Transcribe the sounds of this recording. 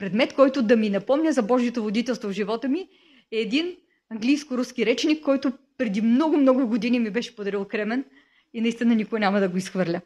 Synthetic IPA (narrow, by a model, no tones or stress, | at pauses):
pɾɛd̪mɛt̪kɔjt̪ʊd̪ɐminɐpɔmnʲəzɐbɔʒijot̪ovod̪it̪ɛlˠst̪vovʒivɔt̪əmi | ɛːd̪in | ɐŋɡlʲijskʊɾuskʲiɾɛt͡ʃnikːɔjt̪ʊpɾɛd̪imnɔɡʊmnɔɡʊɡod̪inimibɛʃɛ̥pʊd̪ɐɾilˠkɾɛmɛn | inɐist̪inɐnikoənʲamɐd̪ɐɡoisxvɤɾlʲə